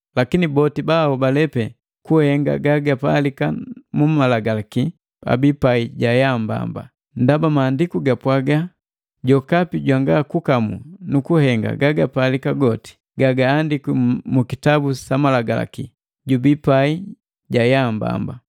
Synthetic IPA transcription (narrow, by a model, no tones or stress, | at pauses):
lakinibɔtibaɔbalɛpɛ | kuhɛŋɡa̰ɡaɡapalikamumalaɡalaki | a̰bipaiɟajamba̰mba̰ | ndabamaːndikuɡapwaɡa | ɟɔkapiɟwaŋɡakukamṵnukuhɛŋɡa̰ɡaɡapaːlikaɡɔti̥ | ɡaɡaːndikimukitabusamalaɡala̰ki | ɟubipai | ɟajamba̰mba